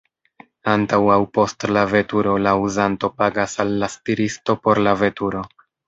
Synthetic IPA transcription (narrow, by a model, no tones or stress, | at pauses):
antawawpo̞stlave̞tuɾo̞lauzanto̞paɡasalːastiɾisto̞po̞ɾlave̞tuɾo̞